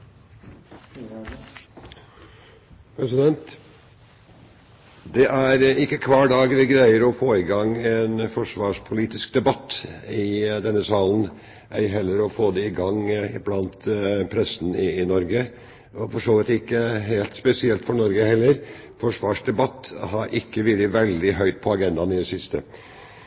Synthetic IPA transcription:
pʰɾɛsɪd̪ɛnt̪ | d̪ɛʔæɾɪkːəkʰʋɑːɖɑːɡʋɪɡɾæɪəɾɔfoːɪɡɑŋɛːnfɔʂʋɑːʂpʰʊliːt̪ɪskd̪ɛbɑt̪ːɪd̪ɛnːəsɑːln̩ | æɦɛlːəɾɔfoːd̪ɛɪɡɑŋːblɑnt̪pʰɾɛsn̩ɪːnɔɾɡə | ɔfɔʂoːʋɪt̪ɪkːəɦeːlt̪spɛsɪɛlt̪fɔɳɔɾɡəhɛlːəɾ | fɔʂʋɑːʂd̪ɛbɑt̪ːhɑɾʔɪkːəʋɪləʋɛld̪ɪɦœʏt̪̚pʰɔɑɡɛnd̪ɑnɪd̪ɛsɪst̪ə̰

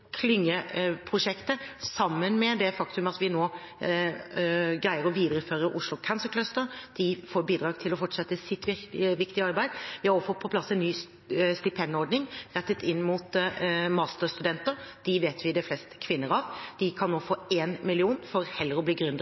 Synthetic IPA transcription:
kʰlɪŋːəpʰɾʊʂɛkt̪əsɑmːənmɛd̪ɛfɑkt̪ʉmɑt̪ʋɪnoː | ɡɾæɪəɾɔʋiːd̪əɾəføːɾəɾʔʊʂlʊkʰɑnsəkʰlœst̪əɾd̪̥ɪfoːɾbiːd̪ɾɑːɡt̪ʰɪlɔfɔʈːʂɛt̪ːəsɪt̪ːʋɪʋɪkt̪ɪɑɾbæɪd̪ʋɪhɑɾɔfət̪̚pʰɔpʰlɑsːɛnːyː | st̪ɪpʰɛnɔɾɖ̪nɪŋɾɛt̪ːət̪ːɪnːmuːt̪mɑːst̪əst̪ʉd̪ɛnt̪əɾd̪̥ɪʋeːt̪ʋɪd̪ɛflɛst̪kʰʋɪnːəɾɑʋd̪̥ɪkʰɑnːoːfoːeːnmɪlɪuːnfɔɾhɛlːəɾɔbliːɡɾʉnd̪

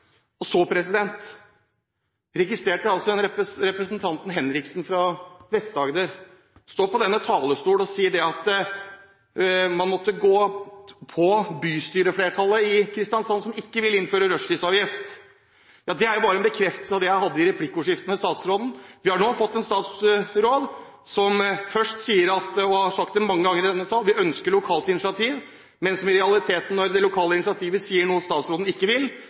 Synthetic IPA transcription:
ɔsoːpʰɾɛsɪd̪ɛnt̪ | ɾɛɡɪst̪ɾeːʈəɑlsɔɛnɾɛɾɛpɾəsnt̪ʰɑnt̪n̩ɦɛnɾɪksn̩fɾɑʋɛst̪d̪ɑːɡəd̪əɾ | st̪oːpɔd̪ɛnːət̪ʰɑːləst̪uːlɔsiːəd̪ɛɑt̪ | mɑnmɔt̪ːəɡoːpʰɔbyːst̪yːɾəfleːʈʰɑləɪkʰɾɪst̪ɪɑnsɑnsɔmɪkːəʋɪlɪnføːɾəɾœʂlɪsɑːʋjɪft̪ | jɑːd̪ɛæɾjʊbɑːɾəɛnbəkʰɾɛft̪əsəɑʋd̪ɛjæɪɦɑd̪ːəɪɾɛpʰlɪkːʊʂɪft̪ənəst̪ɑːt̪sɾoːd̪n̩ʋɪhɑɳoːfɔt̪ːɛnst̪ɑːt̪sɾoːd̪ | sɔmfœʂʈsiːəɾɑt̪ɔhɑʂɑk̚t̪ɛmɑŋːəɡɑŋːəɾɪd̪ɛnːəsɑːlʋɪœnskəɭʊkʰɑːlt̪ɪnɪsɑt̪ʰiːʋ | mɛnsɔmɪɾɛɑlɪt̪ʰeːt̪n̩nɔɾd̪ɛlʊkʰɑːləɪnɪsɪɑt̪ʰiːʋəsiːəɳuːəst̪ɑːt̪sɾoːd̪n̩ɪkːəʋɪl

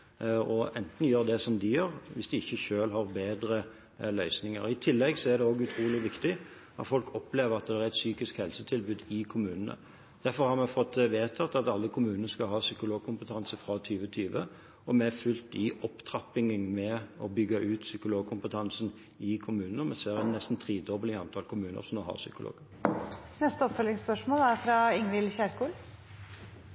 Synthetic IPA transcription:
ɔɛnt̪n̩jøːʁd̪ɛsɔmd̪ɪjøːɾʋɪsd̪ɪɪçːəçøːlɦɑʁbeːd̪ɾə | lœʏsnɪŋə̰ɾɪt̪ʰɪlːɛɡsɔæʁd̪ɛoːɡʉt̪ʰɾuːlɪʋɪkt̪ɪ | ɑ̰t̪fɔlkʰɔpleːʋəɾɑt̪̚d̪ɛæɾɛt̪syːkɪskhɛlsət̪ʰɪlbʉːd̪ɪkʰʊmʉːnənə̰ | d̪̥æfɔɾhɑʁmɛfɔt̪ːʋeːt̪ʰɑt̪ːɑt̪ɑlːəkʰʊmʉːnənəskɑlɦɑːsʏkʊloːɡ̚kʰʊmpət̪ʰɑnsəfɾɑt̪ʰyːʋət̪ʰyːʋə | ɔmɛæfʉlt̪ɪʔɔpt̪ʰɾɑpɪŋənmɛɔbʏɡːɑʔʉːt̪sʏkʊloːɡ̚kʰʊmpət̪ʰɑnsən | ɪkʰʊmʉːnənəɔmɛseːɾɛnnɛst̪n̩t̪ʰʁiːd̪ɔbəlɪɑnt̪ʰɑlkʰʊmʉːnə̰ɾsɔmd̪ohɑ̰ʁsʏ̰kʊlo̰ːɡ | nɛst̪əɔpfœlɪŋspœʂmoːlæɾfɾɑɪŋʋɪlçæɾkuːl

